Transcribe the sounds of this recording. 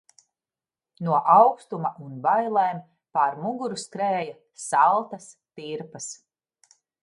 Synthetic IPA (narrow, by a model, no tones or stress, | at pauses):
nuɔʔawkst̪umɐʔunbajlˠeːm | paɾmuɡuɾuskɾeːja | salˠt̪ɐs | t̪iɾpɐs